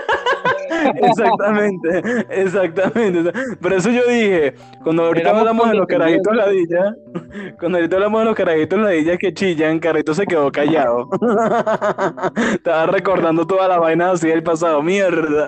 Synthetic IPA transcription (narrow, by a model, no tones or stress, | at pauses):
es̬akt̪amẽnt̪eːs̬ak̚t̪amẽnt̪espoɾe̞s̬o̞ʝo̞ðihe̞ | kwand̪oawɾit̪aaβlamozðelo̞skaɾaɣit̪olaðiʝa | kwand̪oaɾit̪aβlamoðelo̞hkaɾaɣit̪oslaðiʝaske̞t͡ʃiʝaŋkarrit̪o̞s̬e̞ke̞ðo̞kaʝaðo | t̪aβare̞ko̞ɾðand̪o̞t̪̬o̞ðalaβajnaas̬iaelpas̬aðomjeɾða